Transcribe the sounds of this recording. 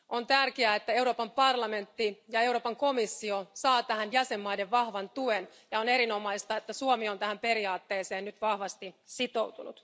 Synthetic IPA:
o̞nt̪ærkeæet̪ːæe̞uwɾo̞ːpɑmpɑrlɑme̞nt̪ːijɑe̞wɾoːpɑŋko̞misːiosɑːt̪æhænjæse̞mːɑide̞ʋʋɑhʋɑnt̪uen | jɑone̞ɾino̞mɑist̪ɑet̪ːæsuomio̞nt̪æhæmpe̞ɾiɑːt̪ːe̞ːse̞ːnnyt̪ʋɑhʋɑst̪isit̪o̞wt̪unṵt̪

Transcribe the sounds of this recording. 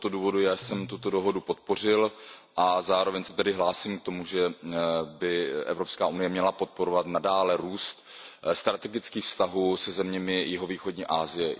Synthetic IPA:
t̪oduːvo̞dujaːsɛmt̪ut̪o̞do̞ɦo̞dupo̞t̪̚po̞r̝ɪlʔazaːɾovɛɲsɛ̥t̪ɛdɪɦlaːsiːmk̚t̪o̞muʒɛ | bɪʔɛ̰vɾo̞pskaːʔunɪjɛmɲɛlapo̞t̪̚po̞ɾo̞vat̪nadaːlɛɾuːst̪st̪ɾat̪ɛɡɪt͡skiːxfst̪aɦuːsɛzɛmɲɛmɪjɪɦo̞viːxodɲiːʔaːzɪjɛ

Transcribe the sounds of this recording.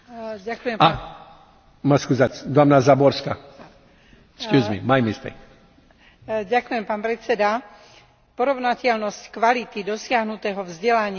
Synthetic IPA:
ɟakujɛma | maskuzat͡sd̪amnazabɔɾska | skjuːzmḭmajmist̪ɛ̰k | ɟakujɛmpaːnpɾɛt͡sɛd̪a | pɔɾɔʊnacɛlnɔsckʋalit̪id̪ɔsɪaɦnut̪ɛːɦɔvzɟɛlaɲɪ

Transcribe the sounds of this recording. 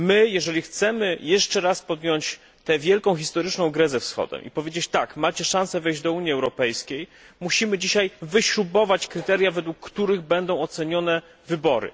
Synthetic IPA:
mɘjɛʐɛlʲixt̪sɛmɘjɛʂt͡ʂɛɾaspɔd̪jɔɲt͡ɕ | t̪ɛvʲjɛlkɔ̃w̃xʲist̪ɔɾɘt͡ʂnɔ̃w̃ɡɾɛzɛfsxɔ̰d̪ɛ̰mʔḭpɔvʲed͡ʑet͡ɕt̪akmat͡ɕɛʂãsɛvɛjʑd͡ʑd̪ɔuɲjiɛwɾɔpɛjskʲej | muɕimɘd͡ʑiɕajvɘɕɾubɔvat͡ɕkɾɘt̪ɛɾjavɛd̪wukːt̪uɾɘɣbɛnd̪ɔ̃w̃ɔt̪sɛɲɔnɛ | vɘbɔɾɘ̰

